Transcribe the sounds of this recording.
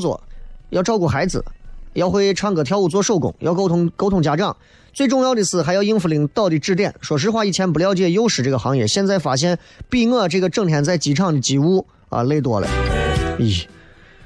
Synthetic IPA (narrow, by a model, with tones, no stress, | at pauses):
swɔ̰˨˩˦jɑ˥˩ʊʈ͡ʂʊkɔ˥˩xa˧˥ɪd͡zɹ̩̰˩jɑ˥˧ʊxwe˥ɪʈ͡ʂʰɑ˥ŋkɤ˨˩t̪ʰjɑ˥˧ʊu˥˩t͡swɔ˥ʂo˥˩ʊkʊ̰˨˩ŋjɑ̰˥˧ʊkʊʊ˧˥ko˥t̪ʰʊ˧˥ŋt͡ɕja˨˩ʈ͡ʂɑ˥˩ŋ | t͡swe˥˧ɪʈ͡ʂʊ˥˧ŋjɑ˥˧ʊd̪ə˧˥t͡sʰɹ̩˥˩xa˧˥jɑ˥˧ʊi˥nfli˧˩ŋt̪ɑ˥˩ʊt̪i˨˩ʈ͡ʂɻ̩˥˧t̪jɛ˥˩nʂwɔ˨˩ʂ̬̩˥xwa˥˧i˥˩t͡ɕʰjɛ˧˥np̬u˧˥ljɑ˥˧ʊt͡ɕjɛ˥˩jo˥ʊʂɻ̩˨˩ʈ͡ʂɤ˥˩ɡə˩xɑ˧˥ŋjɛ̰˧˥ɕjɛ˥˧nt͡sa˥˩ɪfa˨˩ɕ̬jɛ˥˧n | pi˥˧ŋɤ˥˧ʈ͡ʂɤ˥˩ɡə˩ʈ͡ʂɤ˥˩ŋt̪ʰjɛ˧˥nt͡sa˥˩ɪt͡ɕi˧˥ʈ͡ʂʰɑ˥˩ŋd̪ə˩t͡ɕi˨˩u˥ | ə̰˧˩le˥˩ɪt̪wɔ˥lə̰˧˩i˥˩